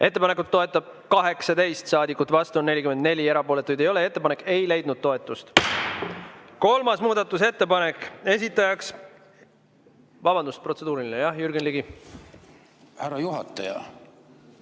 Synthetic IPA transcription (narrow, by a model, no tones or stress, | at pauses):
ʔe̞t̪ːepɑne̞kːut̪̚ːo̞e̞t̪ːˑɑb̥̚ | kɑɦe̞ksɑd̪e̞jst̪sɑːd̪ikːˑut̪vɑst̪uonne̞lʲikymend̪̚ne̞lʲie̞ɾɑpo̞ːle̞t̪ːˑujd̪ejo̞lee̞t̪ːe̞pɑne̞kːˑe̞jle̞jd̪̥̚nud̪̥̚t̪o̞e̞t̪ːˑust̪ | ko̞lmɑsmuːd̪̥ɑt̪ːˑus̬e̞t̪ːe̞pɑnekːe̞s̬ʲit̪ːˑɑjɑks | vɑbɑnd̪uspro̞t̪se̞d̪uːɾilinejɑhjyɾɡenliɡi | hæɾɑjuɦɑ̰t̪ːˑɑjɑ̰